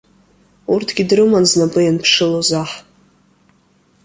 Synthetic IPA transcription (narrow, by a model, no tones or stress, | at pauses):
urtʰɡʲidrɨmanznapʼɨjanpʰʂɨlozaħ